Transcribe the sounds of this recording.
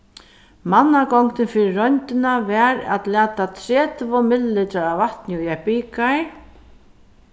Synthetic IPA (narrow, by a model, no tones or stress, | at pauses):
manːakɔŋkt̪ɪnfɪɾɪɾɔjnt̪ɪnavɛɾa̰t̪læːt̪at̪ʰɾɛːt̪vɔmɪllɪt̪aɾavaht̪njəɛhpiːka